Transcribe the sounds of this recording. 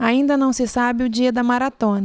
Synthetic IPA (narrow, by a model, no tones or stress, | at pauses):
aĩnd̪ɐnɐ̃w̃sɪsabɪʊd͡ʒiɐd̪ɐmaɾat̪õnɐ